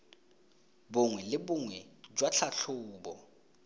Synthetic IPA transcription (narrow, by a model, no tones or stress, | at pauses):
bʊŋwɛlɪbʊŋwɛd͡ʒwat͡ɬʰaɬʰʊːbɔ̰